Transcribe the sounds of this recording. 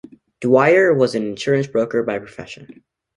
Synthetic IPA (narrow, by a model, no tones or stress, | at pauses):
d̥waɪə˞wʌzɨ̃nɪ̃nʃʊɹɨ̃nsb̥ɹoʊkə˞baɪpʰɹ̥ɔfɛ̰ʃɨ̃n